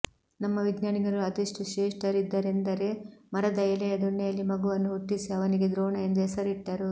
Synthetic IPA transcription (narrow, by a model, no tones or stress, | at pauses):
nɐmːɐʋiɡɲaːniɡɐɾuɐt̪ɐʂʈuʃeːʂʈɐɾid̪ːɐɾe̞nd̪ɐɾe̞mɐɾɐd̪ɐjɐlɛjɐd̪uɳːɛjɐlːimɐɡuʋɐnːuɦuʈːisiɐʋɐniɡe̞d̪ɾoːɳɐe̞nd̪uɦɛsɐɾiʈːɐɾu